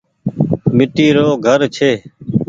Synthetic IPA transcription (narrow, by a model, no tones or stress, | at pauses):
mɪʈiːɾoːɡʱəɾt͡ʃʰeː